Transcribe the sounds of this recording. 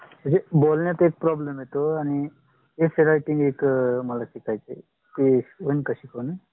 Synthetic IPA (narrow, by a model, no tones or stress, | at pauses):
məɳd͡zebolnjat̪oek̚pɾɔblemɦjet̪oaɽ̃i | ɦefeɾaiʈiŋɡekməlaɕikʰajt͡sḛ | t̪eʋənkəɕikʰonə